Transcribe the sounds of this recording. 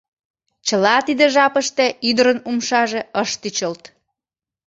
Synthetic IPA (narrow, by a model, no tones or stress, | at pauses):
t͡ɕəlɑt̪id̪eʒɑpəʃt̪eyd̪əɾənumʃɑʒeəʃt̪yt͡ɕəlt̪